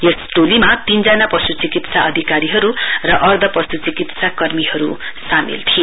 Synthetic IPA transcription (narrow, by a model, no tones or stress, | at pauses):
jesʈolimat̪ind͡zʌnapʌsut͡sikit̪saʌd̪ʱikaɾiɦʌɾurʌʔʌrd̪ʱʌpʌsut͡sikit̪sakʌrmiɦʌɾu | samḭlt̪ʰie